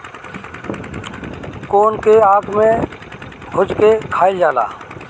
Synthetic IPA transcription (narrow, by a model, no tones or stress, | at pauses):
koːnkeaːkmẽ | ɦʊd͡ʒkekʰaːid͡ʒaːla̰ː